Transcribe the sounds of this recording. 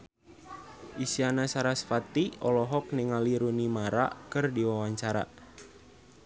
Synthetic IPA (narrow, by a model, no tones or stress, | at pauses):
ʔisianasaɾasfat̪iɔlɔɦɔk̚niŋaliɾunimaɾa̰kɨrdiwawaɲt͡ʃaɾa̰